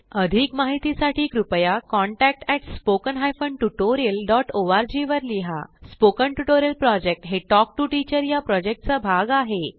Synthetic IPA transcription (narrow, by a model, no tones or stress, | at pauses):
əd̪ʱikmaɦit̪isaʈʰiːkɾupəjakɔɳʈæk̚ʈɛʈspokənɦajfəɳʈuʈoɾiəlɖɔʈoʋaɾd͡ʑiʋəɾliɦa̰spokəɳʈuʈoɾijəlpɾɔd͡ʑek̚ʈɦeʈɔk̚ʈuʈit͡ɕəɾjapɾɔd͡ʑek̚ʈ̚t͡sabʱaɡaɦe